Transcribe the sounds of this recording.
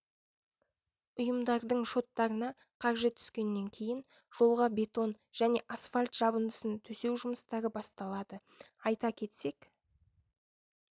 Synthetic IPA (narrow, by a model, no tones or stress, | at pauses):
ʊjəmd̪ɑɾd̪əɴʃo̞t̪ːɑɾənɑ | qʰɑɾʒət̪ʰʏ̥skʲe̞nːe̞ŋkʲʰe̞jɪn | ʒ̥o̞lˠʁɑbʲe̞t̪o̞n | ʒ̥æne̞ʔasfalʲt̪ʒ̥ɑbənd̪əsənt̪ʰɵse̞wʒʊməst̪ɑɾəbɑst̪ɑlˠɑd̪ə | ɑjt̪ɑkʲʰe̞t̪se̞k